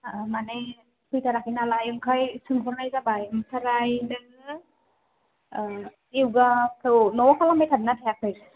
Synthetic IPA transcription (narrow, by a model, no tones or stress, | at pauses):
manɛ | pʰɯjtʰaɾakʰinalajɯmkʰajsɯŋkʰɔɾnajzabajmkʰaɾajdɛn | iwɡakɔwnɔwkʰalamejtʰadnatʰajakʰej